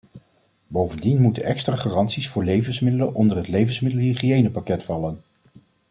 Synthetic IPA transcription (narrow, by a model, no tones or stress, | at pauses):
bowvəndinmutənɛkstraːχaːrɑntsisfʊːɹlejvənsmɪdələnʔɔndərɦətlejvənsmɪdəlˠiχiejnəpakɛtfɑlən